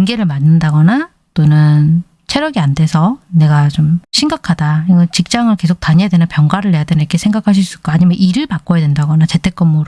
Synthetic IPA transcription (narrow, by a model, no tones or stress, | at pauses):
ɯnɡe̞ɾɯɭmanːɯndaɡʌna | t͈onɯn | t͡ɕʰeɾjʌɡiande̞sʰʌne̞ɡat͡ɕomɕʰiŋɡakʰadaiɡʌnt͡ɕik̚t͡ɕ͈aŋɯɭke̞sʰok̚taɲejadwenɯnpjʌŋɡwaɾɯɭːejadwenɯnikʰesʰe̞ŋɡakʰaɕ̬ʰis͈uk͈aːɲimjʌnʔiɾɯɭbak͈ojadwendaɡʌnat͡ɕe̞tʰe̞k͈ɯmːuɾo